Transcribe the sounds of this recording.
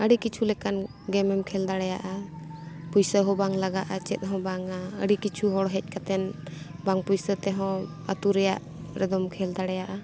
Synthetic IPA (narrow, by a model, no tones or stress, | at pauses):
əɽikit͡ʃʰulɛkan | ɡɛmɛmkʰɛld̪aɽɛjaʔa | pujsəɦɔ̃baŋlaɡaʔat͡ʃɛ̰t̪̚ɦɔ̃baŋaə̰ɽikit͡ʃʰuɦɔɽɦɛc̚ˀkat̪ɛn | baŋpujsət̪ɛɦɔ̃ | ə̰t̪uɾɛjaʔ | ɾɛd̪ɔmkʰɛld̪aɽɛjaʔa